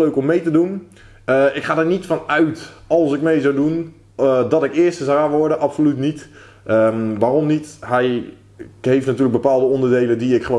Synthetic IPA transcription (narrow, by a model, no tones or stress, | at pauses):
løːkɔmːejtədun | ɪkχaːdaɹnitfɔnœɥtɑlˠsɪkmejzawdun | dɔtɪkɪːstəsaʋɔɹdənʔɑpsolytnit | əʋaːrɔmnitɦɛj | ɦejftnatyːlək̚bəpaːlˠdəɔndəɹdejlədiɪkχəʋo